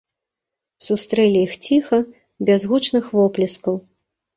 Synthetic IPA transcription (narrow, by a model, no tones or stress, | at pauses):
sust̪ɾɛlʲijixt͡sʲixɐ | bʲazɣut͡ʂnɨxvɔplʲiskɐw